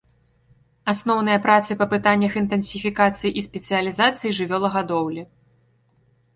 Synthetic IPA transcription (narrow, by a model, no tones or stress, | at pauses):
asnɔwnɨjɐpɾat̪sɨpɐpɨt̪anʲːɐxint̪ɨnsʲifʲikat̪sɨjiʔisʲpʲɛt̪sɨjɐlʲizat̪sɨjiʐɨvʲɔlˠɐɣad̪ɔwlʲi